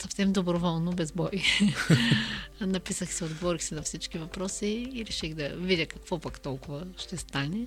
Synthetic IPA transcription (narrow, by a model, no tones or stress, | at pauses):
sɐfsɛmd̪obɾovɔlˠnobɛzbɔj | nɐpisəxsɛod̪ɡovɔɾixsɛnɐfsit͡ʃkivɐpɾɔsiːɾɛʃiɣd̪ɐvidʲəkɐkvɔpɐkt̪ɔlˠkʊvɐʃt̪ɛst̪anɛ